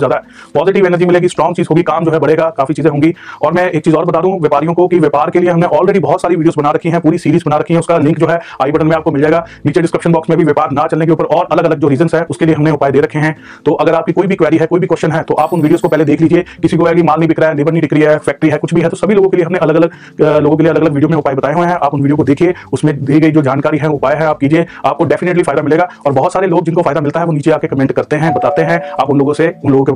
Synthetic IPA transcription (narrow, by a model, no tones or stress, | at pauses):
zjaːd̪aɦɛ | pɔːzɪʈɪʋɛːnəɾd͡ʒimɪleːɡisʈɾɔ̃ːŋɡt͡ʃiːzɦoːɡikaːmd͡ʒoːɦɛbɐɽeːɡakaːfit͡ʃiːzẽɦõːŋɡiɔːɾmɛ̃eːk̚t͡ʃiːzɔːɾbɐt̪aːd̪ũɦũʋjɐːpaːɾijõkokiʋeːpaːɾkelieɦɐmnẽʔɔːlɾeːɖibɔɦʊt̪saːɾiʋiːɖioːzbɐnaɾɐkʰiɦɛ̃puːɾisiːɾiːzbɐnaɾɐkʰiɦɛ̃ʊskalɪ̃ŋkd͡ʒoːɦɛaːibɐʈəlmẽaːpkomɪld͡ʒaːeːɡaːniːt͡ʃeɖɪskɾɪpʃənbɔːksmẽbʱiʋeːpaːɾnɐt͡ʃɐlnek̬eʊpəɾʔɔːɾɐləɡɐləɡ̚d͡ʒoːɾiːzə̃nsɦɛʔʊskelieɦɐmnẽʊpaːed̪eːɾɐkʰːeɦɛ̃ː | t̪oːʔɐɡəɾaːp̚kikoːibʱikʋɛːɾiɦɛkoːibʱikwɛst͡ʃʃənɦɛt̪oʔaːpʊnʋiːɖijoːzkopɛɦled̪eːkʰliːd͡ʒiekɪsikoɛːɡimaːlnɐɦibɪkɾaɛd̪ɪːbəɾnĩɖɪkɾiɦɛːfɛːk̚ʈɾiɦɛːkʊt͡ʃʰbʱiɦɛt̪osɐbʱiloːɡõkelieɦɐmnẽɐləɡɐləɡ̚ | loːɡõkelieɐləɡɐləɡʋiːɖijomẽʊpaːebɐt̪aːeɦoeɦɛ̃ʔaːpʊnʋiːɖijok̬od̪eːkʰieʊsmẽd̪iːɡɐid͡ʒoːd͡ʒaːnkaːɾiɦɛ̃ʊpaːjɦɛ̃aːp̚kiːd͡ʒieaːp̚koɖɛːfɪneʈlifaːɪd̪amɪleːɡaɔːɾbɐɦʊt̪saːɾeloːɡ̚d͡ʒɪnkofaːɪd̪amɪlt̪aɦɛʋoniːt͡ʃeaːkekɐmɛ̃ːɳʈkɐɾt̪eɦɛ̃bɐt̪aːt̪eɦɛ̃aːpʊnloːɡõseʊnloːɡõke